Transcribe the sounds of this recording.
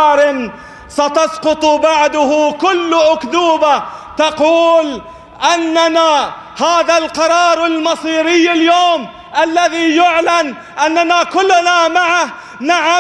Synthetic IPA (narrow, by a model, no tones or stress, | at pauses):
ɾɪn | sɑt̪ɑsqʊt̪ˤbaʕd̪ʊhʊkʊlːʔʊkd̪uːbat̪ɑquːl | ʔanːana | haːðalqɑɾˤɑːɾˤalmɑsˤiːɾɪjːaljoːm | ʔalːaðijʊʕlan | ʔanːanakʊlːnamaʕa | naʕa